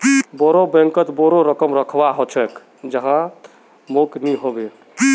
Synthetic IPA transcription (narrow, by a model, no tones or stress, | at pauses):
bɔɾobɛ̃ŋkət̪bɔɾoɾəkəmɾəkʰbaɦɔt͡ʃʰɛk | d͡ʒəɦã | mokniɦobe